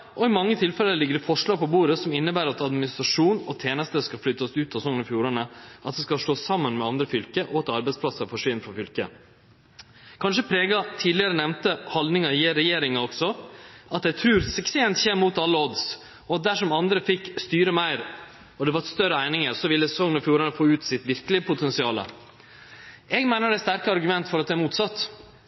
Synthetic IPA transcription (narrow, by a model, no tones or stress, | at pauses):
ʔɔɪmɑŋːət̪ʰɪlfɛlːəlɪɡəɾɛfɔʂɭɑːɡ̚pɔbuːɾəsɔmɪnːəbæːɾɑt̪ɑd̪mɪnɪst̪ɾɑʂuːnɔt̪ʰjeːnəst̪əskɑlflʏt̪ːɑsʉːt̪ɑsɔŋənfjuːɾɑnəʔɑt̪̚d̪ɛskɑlʂʈ̪oːsɑmːənmɛɑnd̪ɾəfʏlkəʔɔɑt̪ɑɾbæɪspʰlɑsəɾfɔʂʋɪnːfɾɔfʏlkə̰ | kʰɑnʂəpʰɾeːɡɑt̪ʰiːd̪lɪəɾənɛʋnt̪əhɑld̪nɪŋɑɪjeːɾɛjeːɾɪŋɑɔksɔɑt̪̚d̪æɪt̪ʰɾʉːɾsɛkseːnt̪çeːmmːuːt̪ɑlːəɔd̪s | ɔɑt̪̚d̪æʂɔmɑnd̪ɾəfɪkst̪yːɾəmæɪɾ | ɔd̪ɛʋɑɾst̪œɾəæɪnɪŋəɾsɔʋɪlːəsɛsɔŋːənɔfjuːɾɑnəfoːʉːt̪sɪt̪ʋɪɾkəlɪəpʰʊt̪ɛnsɪɑːlə̰ | ɛɡmæɪnəɖɛɪst̪æɾkəɑɾɡʉmɛnt̪fɔɾɑt̪̚d̪ɛæɾmuːt̪sɑt̪ː